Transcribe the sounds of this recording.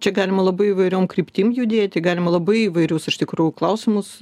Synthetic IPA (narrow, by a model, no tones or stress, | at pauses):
t͡ʃʲɛɡɑːlʲɪmɐlˠɐbɐɪiʋɐɪɾʲoːmkrʲiːpʲt̪ʲiːmjʊd̪ʲeːt̚ʲtɡɑːlʲɪmɐlˠɐbɐɪiʋɐɪɾʲʊsɪʃt̪ʲɪkɾuːjʊklˠɐʊsʲɪmʊs